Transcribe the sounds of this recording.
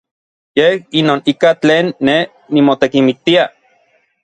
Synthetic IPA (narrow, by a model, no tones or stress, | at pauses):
jehinoːnikat͡ɬeːnːeː | imot̪ekimik̚t̪ia